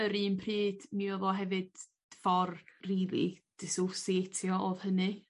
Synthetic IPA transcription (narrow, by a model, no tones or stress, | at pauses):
əɾiːnpʰriːd̥miɔvɔɦɛvɨd̥̚ | fɔrriːlˠḭd̥ɪsosetʰjɔʔoð̥hənɨ